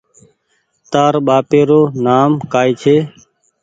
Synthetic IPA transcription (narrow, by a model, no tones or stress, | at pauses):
t̪aːɾɓaːpeːɾoːnaːmkaːiːt͡ʃʰeː